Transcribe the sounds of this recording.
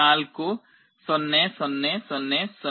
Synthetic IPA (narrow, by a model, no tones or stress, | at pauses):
aːlku | sɔnːesɔnːesɔnːesɔ